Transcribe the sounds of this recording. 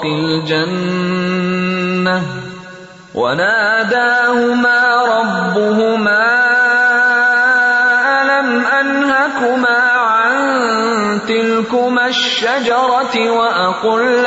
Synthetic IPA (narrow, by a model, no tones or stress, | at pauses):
qɪld͡ʒan | a | wʔa̰naːd̪aːhʊmaːɾˤɑbːʊɦʊmaː | ʔalamʔanhakʊmaːʕan | t̪ɪlkʊmaʃːad͡ʒɑɾˤɑwaʔaqʊl